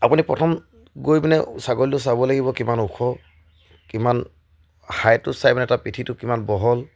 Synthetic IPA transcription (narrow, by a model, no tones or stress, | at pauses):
apunipɹɔtʰɔm | ɡojbinɛsaɡollʊs̬abɔlaɡibɔkimanuxʰɔ | kiman | hajtʊsajbinɛɛtapɹitʰitʊkimanbɔɦɔl